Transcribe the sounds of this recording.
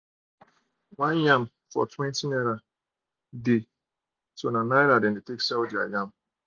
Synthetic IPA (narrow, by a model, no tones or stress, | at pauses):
wʷaam̩ | fɔ̰twẽntineɾa | dɪ | sonanajɾadɪn̩dɪteksawdia̰jam̩